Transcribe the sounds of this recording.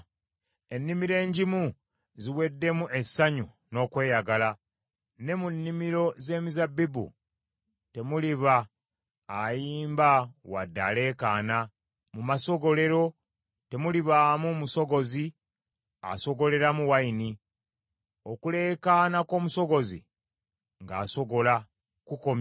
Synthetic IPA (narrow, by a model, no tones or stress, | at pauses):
e̞nːimiɾe̞ːɲɟimu | ziwe̞dːe̞muʔe̞sːaɲu | no̞ːkwe̞ːjaɡala | ne̞munːimiɾo̞ze̞ːmizabːibṵ | te̞muliβaː | jiːmbawa̰dːa̰le̞ːkaːna | mumaso̞ɡo̞le̞ɾo̞ | te̞muliβaːmumuso̞ɡo̞zi | a̰so̞ɡo̞le̞ɾamuwaini | okule̞ːkaːnako̞ːmuso̞ɡo̞zḭ | ŋɡaːso̞ɡo̞la | kukom